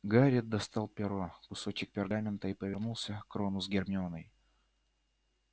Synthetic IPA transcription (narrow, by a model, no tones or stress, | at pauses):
ɡaɾʲɪd̪̚d̪ɐst̪ɑlˠpʲɪɾokʊsot͡ɕɪk̚pʲɪrɡamʲɪnt̪əipəvʲɪrnulˠsʲəkɾonʊzɡʲɪrmʲɪonəj